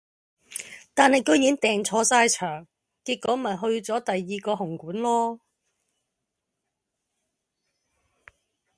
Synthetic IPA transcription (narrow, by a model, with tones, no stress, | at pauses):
t̪aː˨nhɐ˨jkɵ˨˥ɥjiː˨˥nt̪ɛː˨ŋt͡sʰɔː˧saː˧jt͡ʃʰœː˨˩ŋ | kiː˧t̚kɔː˨˥mɐ˨jɦɵ˧ɥt͡sɔː˨˥t̪ɐ˨jːiː˨kɔː˧ɦʊ˨˩ŋkuː˨˥nlɔː˥